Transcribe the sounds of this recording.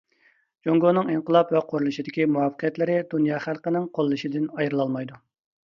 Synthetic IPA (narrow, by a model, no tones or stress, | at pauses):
d͡ʒoŋɡonɨŋiŋqəlˠɑpwɛqʰoɾulˠɨʃid̪ɪkʲimuɑfəqʰijɛt̪lɪɾɪd̪unjɑːχælˠqənɪŋqʰolˠːɨʃid̪ɪnɑjɾɨlˠɑlˠmɑjd̪u